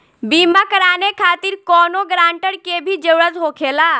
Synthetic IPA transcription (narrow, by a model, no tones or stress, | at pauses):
bimakəɾaːnekʰaːt̪iɾkɔːnoɡɾaːɳʈəɽkebʱid͡ʒəwɾəd͡ʒɦokʰela